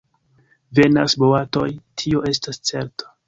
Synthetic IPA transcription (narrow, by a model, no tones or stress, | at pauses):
ve̞na̰sboato̞jtʰio̞ʔe̞stast͡se̞ɾto̥